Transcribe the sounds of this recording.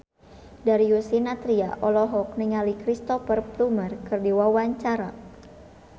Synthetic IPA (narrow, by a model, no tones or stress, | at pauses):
daɾiusinat̪ɾia̰ʔɔlɔɦɔk̚niŋalikɾist̪ɔfərplumərkɨrdiwawaɲt͡ʃaɾa